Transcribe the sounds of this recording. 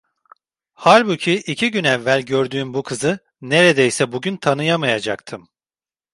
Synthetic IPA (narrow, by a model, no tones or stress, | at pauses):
haɾʲbucʰiʔicʰiɟynɛvːælʲɟøɾd̪yːmbukʰɯzɯ | ne̞ɾed̪ejsɛbuɟynt̪ʰanɯjamajad͡ʒa̰k̚t̪ʰɯm